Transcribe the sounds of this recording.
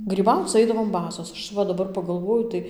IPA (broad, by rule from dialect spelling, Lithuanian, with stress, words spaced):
ɡrʲiːˈbɐʊt͡s ˈɐɪdɐʋoːm ˈbɑːsoːs ˈɐʃ ˈʋɐ dɐˈbɐr pɐˈɡɐlˠʋoːjʊ tɐɪ